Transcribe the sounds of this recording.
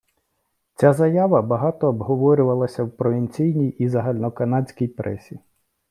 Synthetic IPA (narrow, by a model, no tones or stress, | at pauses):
t͡sʲazɐjaʋɐbɐɦɑt̪ɔːbɦɔʋɔɾʲʊʋɐlˠɐsʲɐwpɾɔʋʲinʲt͡sʲijnʲijizɐɦɑlʲnɔkɐnɑdʲt͡sʲkʲijpɾʔɛ̰sʲi